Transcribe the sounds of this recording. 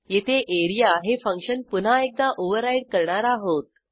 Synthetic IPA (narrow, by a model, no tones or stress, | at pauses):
jet̪ʰeʔeɾijaɦefə̃ŋkʂənpun̤aek̚d̪aʔoʋəɾajɽ̚kəɾɳaɾaɦot̪̚